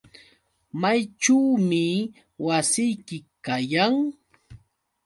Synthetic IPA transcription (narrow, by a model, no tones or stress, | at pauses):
majʈ͡ʂawmɪ | wasɪjkɪkajaŋ